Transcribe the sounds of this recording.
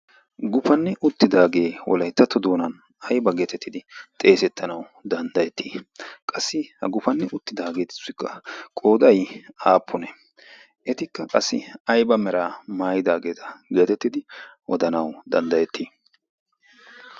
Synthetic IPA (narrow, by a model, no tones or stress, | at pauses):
ɡʊfɐnːɛʔʊt̪ːɪd̪aːɡe̞ːwɔ̰lɐjt̪ːɐt̪ːɔd̪oːnɐn | ʔɐjbɐɡeːt̪ɛt̪ːɪd̪ɪt̪ʼe̞ːsɛt̪ːɐnɐw | d̪ɐnd̪ɐjɛt̪ːiːkʼɐsːɪhɐ̰ɡʊfɐnːɛʔʊt̪ːɪd̪aːɡe̞ːt̪ɪ̥sɪkːɐkʼo̞ːd̪ɐjaːpʰːʊnɛ | ʔɛt̪ɪkːɐkʼɐsːɪ̰ɐjbɐmɛɾaːmaːjɪd̪aːɡe̞ːt̪ɐ̥ɡe̞ːt̪ɛt̪ːɪd̪ɪʔɔd̪ɐnɐwd̪ɐnd̪ɐjɛt̪ːiː